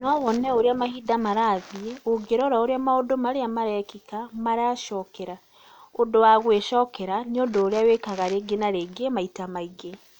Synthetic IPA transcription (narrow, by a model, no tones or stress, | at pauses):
nɔwɔnɛoɾeamahidamaɾaðiɛoɡeɾɔɾaoɾeamaodomaɾeamaɾɛkikamaɾeaʃɔkɛɾa | ondowaɣweʃɔkɛɾaneodoːɾeawekaɣaɾeɡenaɾeɡemaitamaiɡe